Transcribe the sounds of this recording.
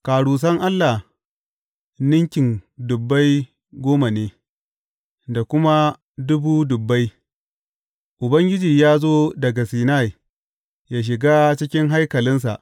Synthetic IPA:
kaː˨ɽuː˨s̬ɐ˦ŋʔa˦lːa˨h | nɪ˦ŋkʲɪ˨ŋdʊ˨bːa˦j | ɡʷoː˦ma˨neː˦ | da˨kʷʊ˦ma˦ | dʊ˦buː˦dʊ˨bːa˦j | ʔʊ˨bɐ˦ŋɡʲɪ˦d͡ʒiː˨jaː˦zoː˦dɐ˨ɡa˨siː˨na˦˨j | jaː˦ʃ̬ɪ˨ɡa˦t͡ʃɪ˦kʲɪ˦ŋɦa˦jkɐ˨lɪ˦ns̬a̰˨ʔ

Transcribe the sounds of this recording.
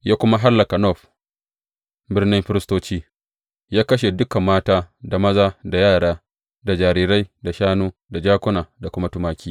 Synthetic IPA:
jaː˦kʷʊ˦ma˦ɦa˦lːɐ˨ka˨nɔ˦˨ɸ | bɪ˦rnɪ˦mɸɪ˦ɾɪ˦stoː˦t͡ʃiː˦ | jaː˦kɐ˦ʃ̬e˨dʊ˦kɐ˨mːaː˦taː˦da˨mɐ˦zaː˦da˨jaː˦˨ɽaː˦ | da˨d͡ʒaː˨ɾiː˨ɾa˦jda˨ʃaː˦nuː˦da˨d͡ʒaː˦kʷʊ˦naː˨da˨kʷʊ˦ma˦tʊ˦maː˦kʲiː˦

